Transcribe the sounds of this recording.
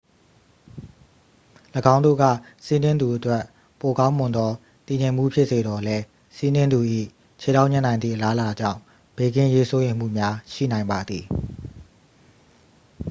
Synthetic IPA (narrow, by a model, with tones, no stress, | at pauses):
ləɡã˦ʊ̃ndo̰˦˨ɡa̰˦˨si˦nɪ̃˦nd̪u˨ʔətwɛ˦˨ʔ | po˨kã˦ʊ̃mʊ̃˨nd̪ɔ˦ | t̪i˨ɲẽ˨m̥ṵ˦˨pʰjɪ˦ʔse˨dɔ˨lɛ˦ | si˦nɪ̃˦nd̪u˨ʔḭ˦˨ | t͡ɕʰe˨da˦ʔɲɪ̃˦˨nã˨ɪ̃nd̪ðḭ˦˨ʔəla˦əla˨d͡ʑã̰˦˨ʊ̃ | b̥e˦˨ɡɪ̃˦ʔje˦so˦jẽ˨m̥ṵ˦˨mja˦ʃḭ˦˨nã˨ɪ̃mba˨d̪ði˨